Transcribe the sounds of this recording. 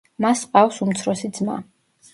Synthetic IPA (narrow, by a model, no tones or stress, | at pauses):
masqʼafsumt̪sʰɾɔsid̪zma̰